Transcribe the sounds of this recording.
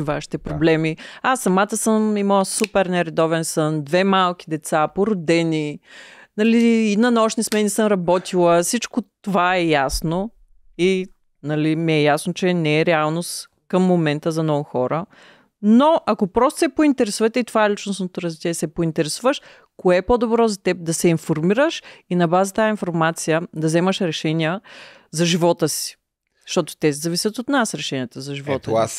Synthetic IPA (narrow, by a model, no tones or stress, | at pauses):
vaʃi̥t̪ɛpɾoblɛmiasːɐmat̪əsəmiməlˠəsupɛɾnɛɾɛd̪ɔvɛnsənd̪vɛmalˠkʲid̪ɛt̪sapoɾod̪ɛninɐliːnɐnɔʃnismɛnisəmɾɐbɔt̪ilˠəsit͡ʃkot̪ovaɛjasno | i | nɐlimɛɛjasnot͡ʃɛnɛɛɾɛalˠnost̪ | kəmːomɛnt̪əzɐnɔɡuxɔɾə | noʔɐkopɾɔst̪o̥sɛpoint̪ɛɾɛsuvət̪ɛit̪ovaɛlit͡ʃnosnot̪oɾɐzvit͡ʃɛɛsɛpoint̪ɛɾɛsuvəʃ | koɛpod̪obɾɔzɐt̪ɛp̚d̪ɐsɛinfoɾmiɾəʃinɐbazət̪ainfoɾmat̪sijəd̪ɐvzɛməʃɾɛʃɛnijə | zɐʒivɔt̪əsi̥ | zʃt̪ɔt̪o̥t̪ɛsɛzɐvisʲjət̪ot̪nasɾɛʃɛniət̪əzɐʒivɔt̪ə